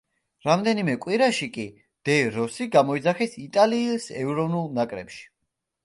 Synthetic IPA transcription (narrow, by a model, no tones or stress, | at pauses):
ɾamd̪ɛnimɛkʼwiɾaʃikʼi | d̪̥ɛɾɔsiɡamɔid̪zaχɛsit̪ʼaliːsɛvɾɔvnulˠnakʼɾɛ̰pʃi̥